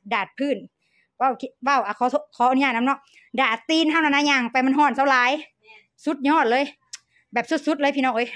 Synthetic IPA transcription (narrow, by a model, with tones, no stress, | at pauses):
daː˨˩t̪̚pʰɯː˧˩n | wa˧˩wki˧wa˧˩wʔa˧˩kʰɔː˨˦˧kʰɔː˨˦ʔu˧ɲaː˧˩na˧˥˨nɔ˧˥˨k̚ | daː˨˩t̪ːiː˧˨nhʰa˧˥˨na˧˨naː˧˥˨ɲaː˧˩ŋpa˨jma˧˥˨nɦɔː˧˥˩nsa˧wlaː˨˦j | su˧˥t̪̚ɲɔː˧˥˨t̪̚lɤː˧˥˨j | bɛː˨˩p̚su˧˥t̪̚su˧˦t̪̚lːpʰiː˧nɔ˧˨ʔoː˧˦j